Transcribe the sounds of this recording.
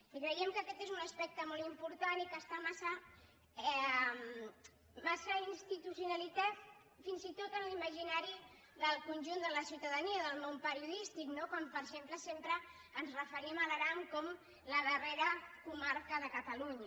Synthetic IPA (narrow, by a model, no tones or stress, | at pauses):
kɾəiəmkəːkɛt̪ezunəspɛk̚t̪əmɔlˠt̪impuɾt̪anikəst̪amasə | ɛm | masəinst̪it̪usiunalit̪at̪ | finzit̪ot̪ənliməʒinaɾi | ðəlˠkunʲʒund̪ələsiuwt̪əðəniəðəlˠmompəɾiuðist̪iknokwampəɾʒempləsempɾəː | nzrəfəɾimələɾamkɔm | ləðəreɾəkumaɾkəðəkət̪əluɲə